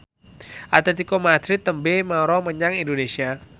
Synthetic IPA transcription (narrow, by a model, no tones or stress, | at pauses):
ʔat̪ɛt̪̬ikomad̪ɾɪt̪ːəmbemaɾɔməɲaŋindonesia